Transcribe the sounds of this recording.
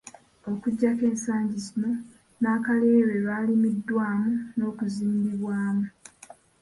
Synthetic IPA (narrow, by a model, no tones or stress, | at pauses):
o̞kuɟːake̞ːnsaːɲɟizimo | naːkale̞ːβeβalimidːwaːmuno̞ːkuziːmbiβwaːmu